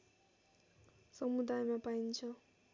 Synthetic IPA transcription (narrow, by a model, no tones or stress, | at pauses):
sʌmud̪ajmapaint͡sʰʌ